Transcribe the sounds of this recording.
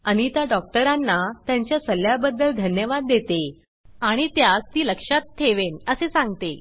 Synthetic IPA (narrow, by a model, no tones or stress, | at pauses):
aɽ̃it̪jaɖɔk̚ʈəɾanːat̪jãɲt͡ɕjasəljabəd̪ːəld̪ʱənjəʋad̪ːet̪e | aɽ̃it̪jast̪iːləkʂat̪ʰːeʋenəsesãŋɡt̪e